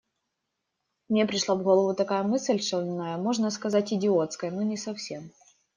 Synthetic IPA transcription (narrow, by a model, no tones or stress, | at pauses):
mnʲepɾʲɪʂlˠavɣolˠəvʊt̪ɐkajəmɨsʲlʲʂɨlʲnːajəmo̞ʐnəskɐzatʲɪdʲɪo̞t̪skəjənonʲɪsɐfsʲe̞m